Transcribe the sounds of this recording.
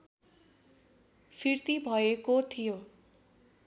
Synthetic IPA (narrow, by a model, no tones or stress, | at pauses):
pʰirt̪ibʱʌekot̪ʰijo